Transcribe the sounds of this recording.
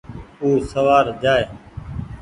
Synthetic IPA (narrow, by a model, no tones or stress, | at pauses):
uːsəʋaːɾd͡ʒaːeː